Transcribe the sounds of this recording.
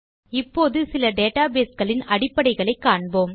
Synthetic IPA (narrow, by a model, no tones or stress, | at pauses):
ɪpːoːðɯsɪlɐɖeːʈaːbeːskɐɭɪnɐɽɪpːɐɽɐɪɣɐɭɐɪkːaːɳboːm